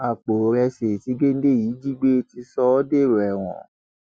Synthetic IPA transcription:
a˨k͡po˨ɾɛ˧se˨ti˨˦ɡe˦n̩˦de˦˨jiː˨˦d͡ʒi˦ɡ͡be˦ti˧sɔ˧˦ɔ˦de˦˨ɾo˨ɛ˨w̃ɔ̰̃˨

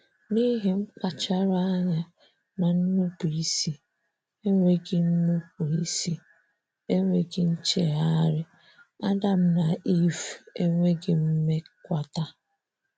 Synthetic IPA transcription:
ni˦ɦe˨ŋ͡m̩˦k͡pa˨t͡ʃa˦ɾa˦ɲa˨ | na˨n̩˦nu˦pu˨i˦si˨ | e˦ŋʷe˦ɡɪ˨n̩˦nu˦ku˨i˦si˦ | e˦ŋʷe˦ɡɪ˦n̩˦t͡ʃe˦ɾa˦ɾɪ˦ | a˦da˦m̩˦na˨ʔi˦fe˦ŋʷe˦ɡɪ˨m̩˦me˦kʷa˦ta˦

